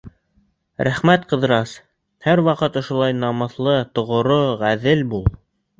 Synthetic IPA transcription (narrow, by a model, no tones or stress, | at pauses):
ɾʔæχmæt̪qɤ̆ðɤ̆ɾɑs | hæɾwɑqɤt̪ŏʃŏlˠɑjnɑmɤ̆θlˠɤt̪ŏʁŏɾoʁæðɘlbulˠ